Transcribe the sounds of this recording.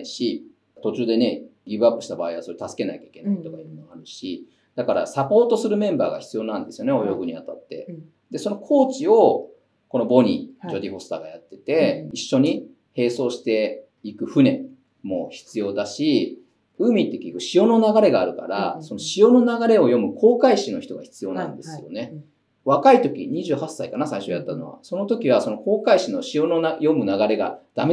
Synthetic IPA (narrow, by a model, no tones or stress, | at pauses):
iɕi | t̪o̞t͡ɕɨːd̪e̞ne̞ɡʲiːbɯapːɯ̟ɕi̥t̪abaːiβaso̞ɾet̪asɨ̥ke̞naikʲai̥ke̞nait̪o̞kainoaɾɯ̟ɕi | d̪̥akaɾa̰sapo̞ːt̪o̞sɨɾɯ̟mẽ̞mba̰ːɡa̰çʲi̥t͡sɨjo̞ːnãnd̪e̞sɨjo̞neo̞jo̞ɡɯ̟ɲ̟ijat̪at̪ːe̞̰ | d̪e̞so̞no̞kʰo̞ːt͡ɕio̞ | ko̞no̞bo̞ɲ̟ḭd͡ʑo̞d̪ʲiɸo̞sɨ̥t̪a̰ɡajat̪ːe̞t̪e̞iɕːo̞ɲ̟i | he̞ːso̞ːɕi̥t̪e̞ | ikɯ̟ɸɯ̟ne̞ | mo̞̰çi̥t͡sɨjo̞ːd̪aɕi | ɯ̟mʲit̪ːe̞kʲikɯ̟ɕijo̞no̞naɡaɾe̞ɡaːɾɯ̟ka̰ɾa̰so̞no̞ɕijo̞no̞naɡaɾe̞o̞jo̞mɯ̟kʰo̞ːkaiɕino̞çi̥t̪oɡaçi̥t͡sɨjo̞ːnã̰nd̪e̞sɨjo̞̰ne̞ | βakait̪o̞kʲḭɲ̟iʑɨːhasːaikanasaiɕo̞jat̪ːano̞̰βa̰so̞no̞t̪o̞kʲiβaso̞no̞ko̞ːkaiɕino̞ɕijo̞noajo̞mɯ̟naɡaɾe̞ɡa̰d̪̥ame